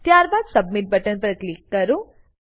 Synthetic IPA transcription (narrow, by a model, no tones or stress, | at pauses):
t̪jaːɾbaːd̪sɐb̚miʈ̚bɐʈənpɐɾklikːɐɾu